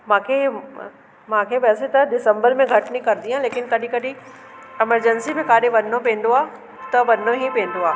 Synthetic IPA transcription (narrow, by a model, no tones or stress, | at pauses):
mãːkʰe | mãːkʰeʋɛːset̪ɐɖɪsə̃mbəɾmẽɡʱɐʈɪnikɐɾɪd̪iãleːkɪnkɐɗĩkɐɗĩ | ɛməɾd͡ʑənsimẽkaːɗeʋɐnːopɛ̃ːn̆d̪oaː | t̪ɐʋɐnːoɦipɛ̃ːn̆d̪oaː